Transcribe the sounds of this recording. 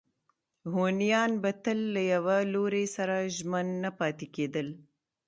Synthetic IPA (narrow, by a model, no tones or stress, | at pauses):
ɦonijɑnbɐt̪əlːajawaloɾesaɾaʒmanːapɑt̪eked̪əl